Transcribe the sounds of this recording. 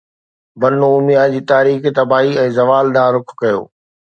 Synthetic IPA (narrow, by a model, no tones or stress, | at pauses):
bɐnõʊmijãd͡ʑiːt̪aːɾiːxt̪ɐbaːɦiɛ̃ːzɐʋaːlɗ̪aːɾʊkʰkɐjo̰ː